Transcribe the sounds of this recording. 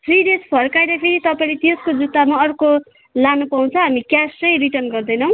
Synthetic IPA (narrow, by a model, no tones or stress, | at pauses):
pʰrid̪espʌrkajɾʌpʰiɾit̪ʌpainlet̪eskod͡zut̪ːamaʌrko | lanupaw̃t͡sʰʌɦamikjasʌjriʈʌrnɡʌrd̪ʌjnʌw̃